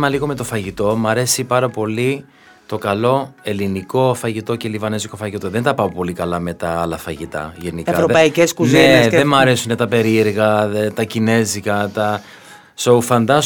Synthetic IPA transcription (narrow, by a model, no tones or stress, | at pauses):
mɐliɣo̞me̞t̪o̞fɐʝit̪o̞mɐɾe̞sipɐɾɐpo̞li | t̪o̞kɐlo̞e̞liniko̞fɐʝit̪o̞ce̞livɐneziko̞fɐʝit̪oðent̪ɐpɐpo̞likɐlɐme̞t̪ɐɐlɐfɐʝit̪ɐ̰ʝenikɐɐvɾoðpɐiceskuzieneðemɐɾe̞sunet̪ɐpe̞ɾieɾɣɐðet̪ɐcine̞zikɐt̪ɐ | soufɐnd̪ɐs